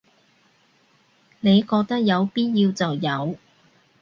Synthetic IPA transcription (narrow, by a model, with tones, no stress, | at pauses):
ne˨˧jkɔː˧k̚t̪ɐ˥k̚jɐ˨˧wpiː˥t̚jiː˧wt͡sɐ˨wjɐ˨˧w